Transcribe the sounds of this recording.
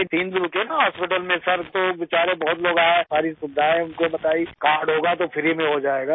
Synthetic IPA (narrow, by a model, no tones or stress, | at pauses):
t̪iːnd̪ɾʊkenaɦɔːspɪʈəlmẽsɐɾt̪oʋɪt͡ʃaːɾẽbɔɦʊt̪loːɡaːesaːɾisʊd̪ʱaːẽʊnkobɐt̪aːikaːɾɖɦoːɡat̪opʰɪɾimẽɦod͡ʒaːeːɡaː